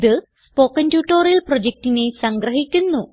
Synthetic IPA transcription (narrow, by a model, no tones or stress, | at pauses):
ðɨ | spo̞ːkːɐndjuːʈːoːrjiɐlprod͡ʑek̚tine̞sɐŋɡrɐɦikʲːunːu